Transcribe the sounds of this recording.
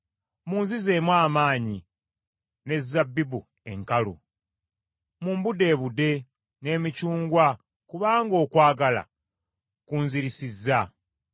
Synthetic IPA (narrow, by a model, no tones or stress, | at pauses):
muːnzize̞ːmwaːmaːɲi | ne̞zːabːibu | eŋkalṵ | muːmbude̞ːβude̞ | ne̞ːmicuːŋɡwa | kuβaːŋɡo̞ːkwaːɡala̰ | kuːnziɾisizːa